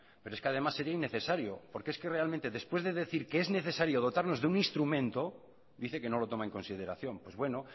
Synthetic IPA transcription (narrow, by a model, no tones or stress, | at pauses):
pe̞ɾoeskeað̞e̞masːe̞ɾiainːeθe̞saɾjopo̞ɾkeeske̞re̞almẽnt̪eðe̞spwe̞zðeðe̞θiɾkeezne̞θe̞saɾjo̞ð̞o̞t̪aɾno̞zðeuninst̪ɾumẽnt̪o̞ | d̪iθe̞ke̞no̞lo̞t̪o̞mae̞ŋko̞nsið̞e̞ɾaθjo̞mpwe̞zβwe̞no